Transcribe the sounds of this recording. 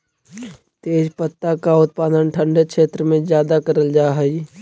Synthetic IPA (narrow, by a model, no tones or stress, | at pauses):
t̪eːd͡ʒpət̪ːakaʊt̪̚paːd̪ənʈʰə̃ɳɖəkʃeːt̪ɾəmẽzjaːd̪akəɾəld͡ʒaːɦɛi